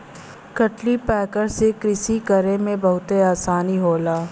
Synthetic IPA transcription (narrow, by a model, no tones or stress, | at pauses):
kəʈlipɛːkəɾsekɾɪsikɐɾemẽbɐɦʊt̪eaːsaːniɦoːlaː